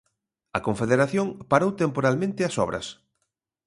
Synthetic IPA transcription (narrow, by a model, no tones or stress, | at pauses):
ɐkoɱfeðeɾaθjoŋpaɾowt̪empoɾalmẽnt̪ɪɐsɔ̰βɾʔɐ̰s